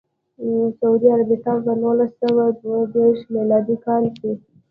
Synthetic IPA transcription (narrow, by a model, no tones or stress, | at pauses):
saud̪iaɾabɪt̪abanolasawad̪wad̪eɾʃmilɑd̪ikɑlki